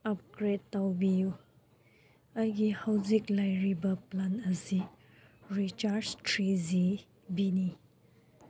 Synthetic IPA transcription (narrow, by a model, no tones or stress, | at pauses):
ap̚ɡɾettawbiju | ajɡihawziklajɹibɐplanɐsi | ɹit͡ʃaɾstɾizi | bini